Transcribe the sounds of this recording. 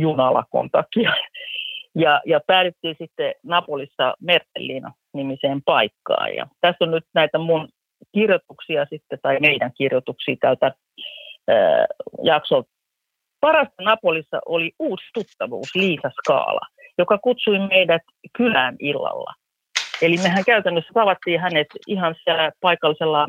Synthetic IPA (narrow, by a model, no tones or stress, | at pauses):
junɑlɑ̰ko̰nt̪ɑkijɑ | jɑjɑpæːt̪et̪ːiːnsit̪ːenɑpolisːɑmert̪ːḛlːiːnɑ̰ | nimiseːmpɑikːɑ̰ːjjɑ̰t̪æsːonnyt̪næit̪æmun | kirjot̪uksiɑsit̪ːet̪ɑimeidæŋkirjot̪uksiːt̪ælt̪æ | jɑksol | pɑrɑst̪ɑnɑpolisːɑ̰ʔoliuːst̪ut̪ːɑʋṵːsliːsɑskɑ̰ːlɑ̰jokɑkut̪suimmeidæt̪kylæːnilːɑ̰lːɑ̰ | elimehæŋkæyt̪ænːøsːæt̪ɑʋɑt̪ːiːhænet̪ihɑnsiælæpɑikɑlːiselːɑ